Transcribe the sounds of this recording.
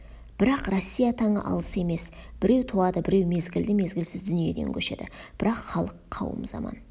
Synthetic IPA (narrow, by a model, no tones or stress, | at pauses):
b̥ɪɾɑqrosʲːijat̪ʰɑɴə̰ʔɑ̰lˠəse̞me̞sb̥ɪɾe̞wt̪ʰuɑd̪əbɪɾe̞wme̞zɡʲɪld̪ɪme̞zɡʲɪlsɪzd̪ʏnije̞̰d̪e̞̰ŋkʲʰɵʃe̞̰d̪ɪ̰b̥ɪɾɑqχɑlˠəqʰːɑ̰wə̰mzɑ̰mɑ̰n